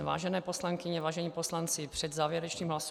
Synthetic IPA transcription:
va̰ːʒɛnɛːpo̞slaŋkɪɲɛvaːʒɛɲiːpo̞slant͡sɪpr̥ɛd̪zaːvjɛɾɛt͡ʃniːmɦlas

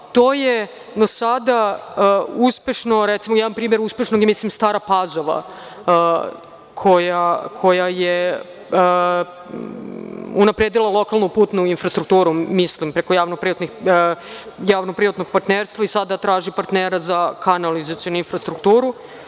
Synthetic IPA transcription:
t̪o̞ːje | d̪osad̪a | uspeʃno̞ɾɛt̪simojɛdanpɾiːmjeɾuspe̞ʃnoɡjemislimst̪aːɾapazo̞ʋa̰ | kʰojakʰo̞jaje | unapɾeːd̪ilˠalˠo̞kalˠnupuːt̪nuinfɾast̪ɾukt̪uːɾumislimpɾekojaːʋnopɾiʋat̪nix | jaːʋnopɾiʋat̪noɡ̚paɾt̪neːɾst̪ʋaisad̪at̪ɾaːʒipaɾt̪neːɾazakanalizat̪sionuinfɾast̪ɾukt̪uːɾu

